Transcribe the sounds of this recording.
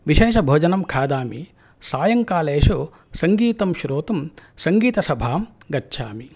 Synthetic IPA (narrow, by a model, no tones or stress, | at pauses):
ʋiʃeːʃɐbʱoːd͡ʒɐnɐmkʰaːd̪aːmi | saːjɐŋkaːleːʃu | sɐŋɡiːt̪ɐmʃɾoːt̪ɐmsɐŋɡiːt̪ɐsɐbʱaːmɡɐtːʃʰa̰ːmi